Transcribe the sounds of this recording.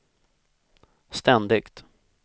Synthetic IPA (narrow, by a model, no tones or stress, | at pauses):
st̪ɛnd̪ɪkt̪